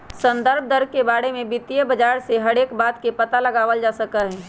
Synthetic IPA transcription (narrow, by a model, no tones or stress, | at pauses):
sə̃nd̪əɾb̚d̪əɾ̚kebaːɽemẽbɪt̪ijəbɐd͡ʒaːɾseɦɐɽeːkbaːt̪kepɐt̪alɐɡaːʋəld͡ʒaːsəkəɦɛ̃ː